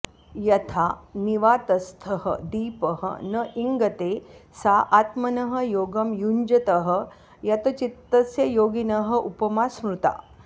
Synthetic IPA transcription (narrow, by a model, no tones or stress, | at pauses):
jɐt̪ʰaniʋaːt̪ɐst̪ʰɐɦə̰d̪iːpəɦə̰nəʔiŋɡɐt̪esaʔat̪mɐnɐɦəjoːɡɐmjuɲd͡ʒɐt̪ɐɦə̆ | jɐt̪ɐt͡ʃit̪ːɐsjɐjoːɡinɐɦə̆ʔupɐmasmɾut̪a̰